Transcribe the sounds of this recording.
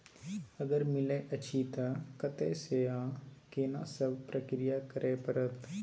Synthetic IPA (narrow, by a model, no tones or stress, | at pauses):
ɐɡəɾmɪlẽʔɐt͡ʃʰit̪akət̪eseãːkeːnãsəbʱpɾəkɾɪjakəɾʔeːpəɾət̪